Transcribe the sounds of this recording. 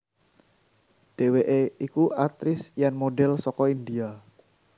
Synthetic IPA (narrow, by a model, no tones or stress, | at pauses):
ɖ̥eweʔeikuʔat̪ɾɪsjanmoɖɛlsɔkɔindia